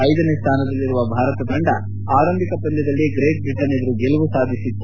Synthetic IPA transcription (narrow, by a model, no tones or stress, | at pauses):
ɐjd̪ɐneːst̪ʰaːnɐd̪ɐlːiɾuʋɐbʱaːɾɐt̪ɐbʱɐɳɖɐ | aːɾɐmbʱikɐpɐnd̪ɐd̪ɐlːiɡɾeːʈ̚bɾiʈɐned̪ɐɾuɡelɐʋusaːd̪ʱisit̪ːu